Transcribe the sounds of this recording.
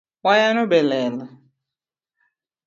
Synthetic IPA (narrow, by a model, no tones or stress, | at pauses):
wajanʊbɛlɛːla